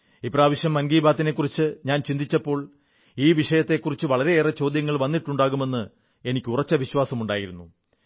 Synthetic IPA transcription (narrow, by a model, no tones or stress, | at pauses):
ipːɐraːʋɐɕjɐmːɐnɡiːbaːt̪ːine̞kːurit͡ɕːɨɲaːnt͡ɕind̪it͡ɕːɐpːo̞ːɭ | iːʋiʂɐjɐt̪ːe̞kːurit͡ɕːɨʋɐɭɐɾe̞eːrɐt͡ɕo̞ːd̪jɐŋːɐɭʋɐnːiʈːuɳɖaːɣume̞nːɨ | e̞nikʲːurɐt͡ɕːɐʋiɕwaːsɐmuɳɖaːjiɾunːu